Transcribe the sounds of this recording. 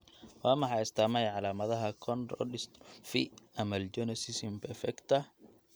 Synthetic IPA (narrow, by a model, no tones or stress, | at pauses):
wɑːmɐħɑɪst̪ʰaːmɛjʕɑlaːmɐðɐɦɐkʰɔnɾɔ̰lɪst̪fḭɐmɐld͡ʒɛnɛsɪsɪmpʰɛɾfɛkt̪ʰɐ